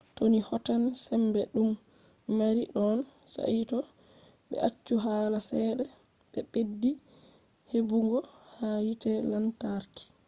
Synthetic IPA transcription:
tonihɔtansɛmbɛɗumː | aɾiɗɔnsa̰itɔ | ɓɛ̰ʔat͡ʃːuɦaːlasɛɗɛ | ɓɛɓedːi | hebuŋɡɔhajitɛlantaɾki̥

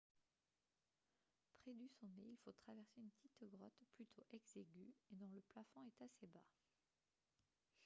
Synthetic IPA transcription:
pχed̪ysɔ̃neilfot̪χavɛʁseynpət̪ʰit̪ɡʁɔt̪plyt̪ʰoʔɛɡzeɡʲyed̪ɔ̃ləplafɔ̃ɛt̪aseba

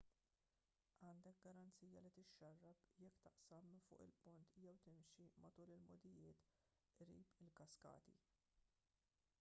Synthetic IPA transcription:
ɐːnd̪ɛk̚ɡɐɾɐnt͡sijɐlit̪ɪʃːɐrːɐpjɛkːt̪ɐʔsɐmːfʊ̰ːʔɪ̰lpʊnt̪jɛwt̪ɪmʃimɐt̪uːlɪlmɔd̪ɪjɪːt̪ | ɾḭːpɪlkɐskɐ̰ːt̪ḭ

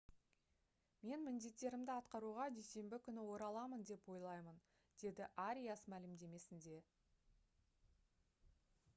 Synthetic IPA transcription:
me̞nmɪnd̪e̞t̪ːe̞ɾɪmd̪ɪɑt̪qɑɾuʁɑd̪ejse̞mbɪkʲʰʏnɪwo̞ɾɑlˠɑmənd̪e̞pwo̞jlˠɑjmən | d̪̥e̞d̪ɪʔaɾʲijasmælɪmd̪e̞me̞sɪnd̪e̞

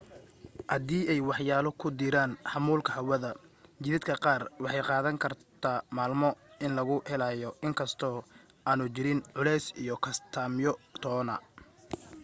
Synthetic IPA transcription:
hɐðiːɛjwɑħjaːlɔkʰʊd̪ɪɾaːnħɑmuːlkʰɐhɐwɐðɐt͡ʃɪðɪd̪̚kʰɐqɑːrwɑħɑjqɑːðɐŋkʰɐrt̪ʰaːmaːlmɔɪnlɐɣʊhɛlaːjɔɪŋkʰɐst̪ʰɔː | aːnʊt͡ʃɪɾɪnʕʊlɛjsḭjɔkʰɐst̪ʰaːmjɔt̪ʰɔːnɐ̰

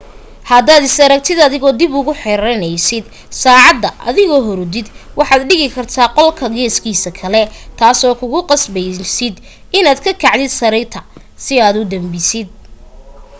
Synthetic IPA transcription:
hɐd̪aːd̪ɪsɐɾɐk̚t̪ʰɪd̪ɐðɪɣɔːd̪ɪbʊɣʊħɛɾɐnɛjsɪd̪ | saːʕɑd̪ːɐʔɐ̰ðɪɣɔːɦɔɾd̪ɪd̪wɑħɑːd̪ɖɪɣɪkʰɐrt̪ʰaːqɔlkʰɐɡɛːskʰiːsɐkʰɐlɛt̪ʰaːsɔːkʰʊɣʊqɑsbɛjsɪd̪ | ɪnaːd̪kʰɐkʰɐʕd̪ɪd̪sɐɾɛt̪ʰɐ | sɪaːd̪ʊd̪ɐmbɪsɪd̪̚

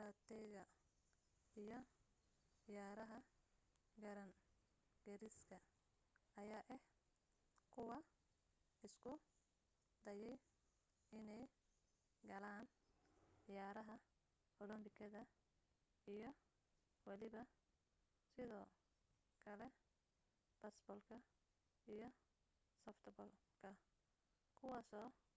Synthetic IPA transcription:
dat̪ʰɛjɣɐ | ijɔ | jaːɾɐɦɐ | ɡɐɾɐŋ | ɡ̥ɐɾɪskʰɐ | ɐjaːʔɛh | kʰʊwɑ | ɪskʰʊ | d̪ɐjɛj | ɪnɛj | ɡɐlaːn | ɪjaːɾɐɦɐ | ɔlɔmbɪkʰɐðɐ | ijɔ | wɑlɪβɐ | sɪðɔː | kʰɐlɛ | b̥ɐsbɔlkʰɐ | ijɔ | sɔft̪ʰbɔl | kʰɐ | kʰʊwaːsɔː

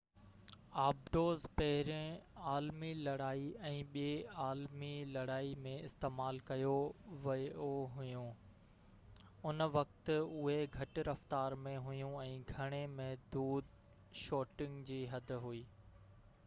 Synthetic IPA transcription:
aːb̚ɖoːzpɐɦɪɾẽaːlmilɐɽaːiɛ̃ːɓieaːlmilɐɽaːimẽɪst̪eːmaːlkɐjoʋɐoɦʊjũ | ʊnʋɐkt̪ʊɦeɡʱɐʈɪɾɐft̪aːɾmẽɦʊjũɛ̃ːɡʱɐɽ̃emɛ̃ɦd̪uːd̪ | ʃoːʈɪ̃ŋɡd͡ʑiːɦɐd̪̆ʱɦuiː

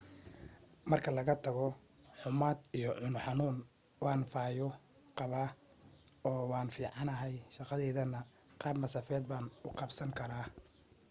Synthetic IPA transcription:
mɐrkʰɐlɐɣɐt̪ʰɐɣɔ | ħʊmaːd̪ijɔʕʊnʊħɑnuːn | wɑːnfaːjɔ | qɑβaː | ɔːwɑːnfiːʕɑnɐɦɛjʃɑqɑðɛːðɐnɐ | qɑːbmɐsɐfɛːd̪̚baːnʊqɑbsɐŋkʰɐɾaː

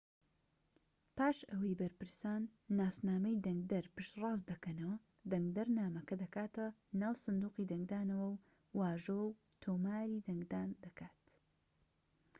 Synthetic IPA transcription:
paːʃɐwɐjbɐɾpɨɾsaːnːaːsnaːmɐjd̪ɐŋɡ̚d̪ɐɾpɨʃt̪rɑːzd̪ɐkɐnɐwɐ | d̪ɐŋɡ̚d̪ɐɾnaːmɐkɐd̪ɐkaːt̪ʰɐnaːwsɨnd̪uːqiːd̪ɐŋɡd̪aːnɐwɐwː | aːʒoːw | t̪ʰoːmaːɾiːd̪ɐŋɡd̪aːnd̪ɐkʰaːt̪

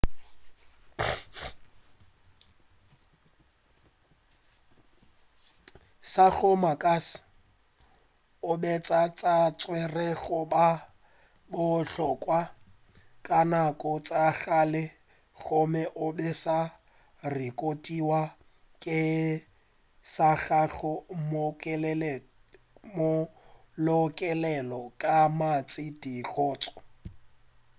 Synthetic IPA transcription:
sak͡xɔmakʼas | ʊbɛt͡sʼat͡sʼat͡sʼwɛrɛɣʊba | bʊɬɔkʼwa | kʼanakʼɔt͡sʼaɣalɪ | ɣʊmɛʔʊbɛsa | rɪkʼotʼiwa | kʼɪ | saɣaɣɔmol | mʊ | lɔkʼɛlɛlɔkʼamat͡sʼɪdiɣɔːt͡sʼɔ̥

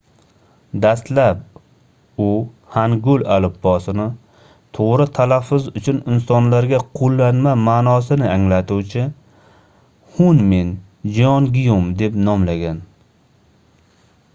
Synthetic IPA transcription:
d̪ast̪lap̚ | ʊ | haŋɡʊlalɪpːɒsɪnɪ | t̪ʰoʁɾɪt̪ʰalafːʊzʊt͡ʃʰʊnɪnsɒnlaɾɡʲaqʰolˠːanmamaːnɒsɪnɪaŋlat̪uwt͡ʃʰɪ | hʊnmen | d͡ʒɒnɡʲɪjomd̪e̞pnɒmlaɡʲan

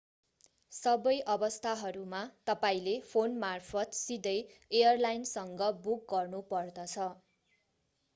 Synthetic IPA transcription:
sʌbʌjʔʌbʌst̪ʰaɦʌɾumat̪ʌpaĩlepʰonmarpʰʌt̪sid̪ʌjejʌrlajnsʌŋɡʌbuk̚ɡʌrnupʌrd̪ʌt͡sʰʌ

